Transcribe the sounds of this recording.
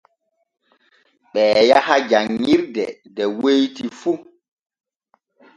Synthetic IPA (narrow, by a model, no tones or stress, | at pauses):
ɓɛːjahad͡ʒaŋːiɾdɛ̰dɛwejtifu